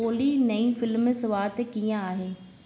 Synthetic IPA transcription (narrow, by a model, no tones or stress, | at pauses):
oːlinɐĩfɪlmsɐʋaːɾt̪ekijãaːɦeː